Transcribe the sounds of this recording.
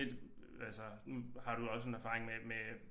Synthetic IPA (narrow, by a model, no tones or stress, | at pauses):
ed̥ælsənuhɑ̈ɾ̥uɒ̽səenæɐfɑ̈ːʁeŋmeme